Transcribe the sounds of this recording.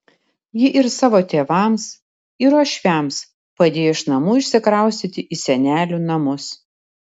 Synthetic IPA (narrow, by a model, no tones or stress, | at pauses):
jɪʔɪɾsɑːʋoːt̪ʲeːʋɐˑms | ɪɾoːʃʲʋʲæms | pɐd̪ʲeːjoɪʃnɐmuːɪʃʲsʲɪkɾɐˑʊsʲt̪ʲɪt̪ʲɪʔiːsʲɛnʲæːlʲunɐmʊs